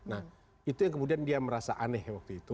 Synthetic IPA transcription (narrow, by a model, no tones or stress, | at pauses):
na | it̪ujaŋkəmudiandiaməɾasaʔanɛhwak̚t̪uit̪u